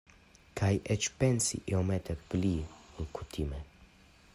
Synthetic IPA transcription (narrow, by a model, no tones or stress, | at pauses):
kʰajʔɛt͡ʃpɛnsḭʔɛomɛt̪ɛpliuŋkut̪ʰimɛ